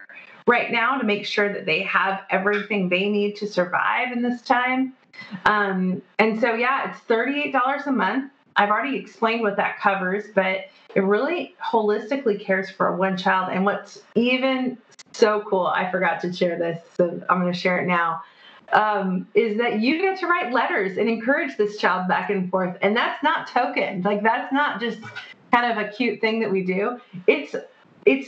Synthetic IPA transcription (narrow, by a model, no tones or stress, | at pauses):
ɹaɪtⁿnaʊɾɨmeɪkʃʊɹðɨt̪̚ðeɪəvʔɛvɹiθɪ̃ŋðeɪnid̚tʰɨsə˞va̰ɪvɨ̃nðɪstʰãɪ̃m | ʔʌ̃mɨ̃nsoʊjæɪtsθɜ˞ɾieɪt̚d̥ɔlˠə˞zəmʌ̃nθ | ʔaɪvl̩ˠɹɛɾiɨksplẽɪ̃nd̚wʌðɨ̰t̚kʰʌvə˞z̥b̥ʌɾ | ɨt̚ɹɪlˠihoʊlɪstɨklikʰɛɹz̥fə˞ə̰wʌ̃nt͡ʃʰaɪlˠdɨ̰̃nwʌtsivɨ̃n | soʊkʰulˠa̰ɪfə˞ɡɑtʰɨʃɛɹðɪsoʊã̰ɪ̃mɡʌnɨʃɛɹɨ̰tⁿnaʊ | ʔʌ̃mɪzðɨt͡ʃɨɡɛtʰəɹaɪtˡlɛɾə˞zɨ̃nɨ̃nkʰɜ˞ɨd͡ʒðɪst͡ʃʰaɪlˠd̚bækɨ̃nfɔɹθɨ̃nðætsnətʰoʊkɨ̰̃nlaɪk̚ðætsnət̚d̥ʒ̥ʌstkkʰãɪ̃ndʌvɨkʰj̥ʉt̪̚θɪ̃ŋðɨʔ̚widʉɪts | ɪts